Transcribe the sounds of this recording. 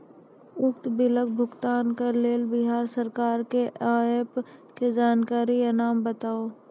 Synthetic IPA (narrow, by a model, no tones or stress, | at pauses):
ʊkt̪bɪlək̚bʱʊɡt̪aːnkaɾleːlbɪɦaːɾsəɾkaːɾkeʔaːepked͡ʒaːnkaːɾianaːmbət̪aːoː